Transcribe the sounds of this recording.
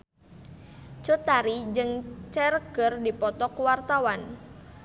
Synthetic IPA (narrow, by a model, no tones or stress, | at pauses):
t͡ʃot̪aɾid͡ʒɨŋt͡ʃɛrɡ̥ərdipɔt̪ɔkwart̪awan